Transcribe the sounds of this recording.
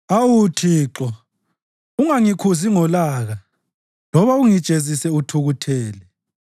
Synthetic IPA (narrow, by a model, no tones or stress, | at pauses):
awutʰiːǁɔ | uŋaŋikʰuziŋɔlaːɣa | lɔβauŋid̥ʒ̥ʱezisɛutʰuɣutʰɛːlɛ